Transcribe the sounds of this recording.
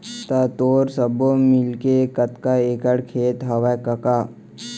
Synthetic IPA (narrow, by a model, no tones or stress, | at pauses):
t̪at̪oːɾsəbomɪlkekət̪kaeːkəɽkʰeːt̪ɦɐʋakɐka